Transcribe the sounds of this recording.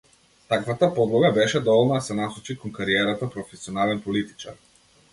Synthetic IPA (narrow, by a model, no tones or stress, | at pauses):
t̪akvat̪apɔd̪lˠɔɡabɛʃɛd̪ɔvɔlˠnad̪asɛnasɔt͡ʃikɔnkaɾiɛɾat̪apɾɔfɛsiɔnalɛnpɔlit̪i̥t͡ʃaɾ